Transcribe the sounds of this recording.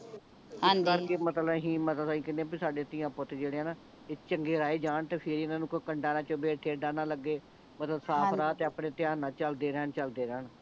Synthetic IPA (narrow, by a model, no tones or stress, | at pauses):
ɪ̃kəɾkeːmət̪ləbɦĩːmət̪əsaːĩːkɪnd̪ẽːbiːsaːɖeːt̪ɪjãːpot̪eːd͡ʒeːɽeːɛːnaː | ɪt͡ʃəŋɡeːɾaːeːd͡ʒaːɳt̪eːpʰɪɾiːɪnaːnũːkokəɳɖaːnãːt͡ʃõːbeːʈʰeːɖaːnaːləɡːeː | mət̪ləbsaːɾaːt̪eːəpɳeːt̪ɪjaːnãːt͡ʃəld̪eːɾəɦənt͡ʃəld̪eːɾəən